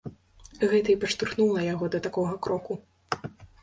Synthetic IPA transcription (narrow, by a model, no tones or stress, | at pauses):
ɣɛt̪ɐipɐʂt̪urxnulˠɐjaɣɔd̪ɐt̪akɔɣɐkɾɔku